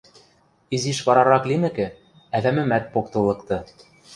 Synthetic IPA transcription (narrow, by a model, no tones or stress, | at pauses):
iziʃβɑɾɑɾɑklʲimɘ̆kɘ̆ | æðæmɘ̆mæt̪̚pokt̪ɤ̆lˠɤ̆kt̪ɤ